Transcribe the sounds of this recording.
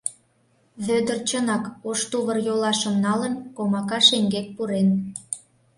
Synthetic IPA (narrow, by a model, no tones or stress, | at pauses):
βød̪ərt͡ɕənɑkoʃt̪uβərjolɑʃə̆mnɑlə̆nkomɑkɑʃeŋɡek̚puɾen